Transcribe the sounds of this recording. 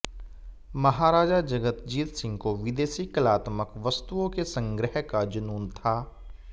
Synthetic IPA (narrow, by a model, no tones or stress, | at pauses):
mɐɦaːɾaːd͡ʒad͡ʒɐɡət̪d͡ʒiːt̪sɪ̃ŋɡkoʋɪd̪eːʃikəlaːt̪məkʋɐst̪uõkesə̃ŋɡɾəɦkad͡ʒɐnuːnt̪ʰaː